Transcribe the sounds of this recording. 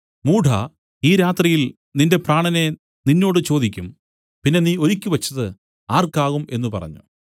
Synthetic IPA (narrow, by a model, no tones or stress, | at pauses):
muːɖʱɐ̰ | iːɾaːt̪rijil | ninde̞praːɳɐne̞ | ninːo̞ːɽɨt͡ɕo̞ːd̪ikʲːum | pinːe̞niːo̞ɾikʲːɨʋɐt͡ɕːɐðɨ | aːrkaːɣume̞nːupɐ̰rɐ̰ɲːṵ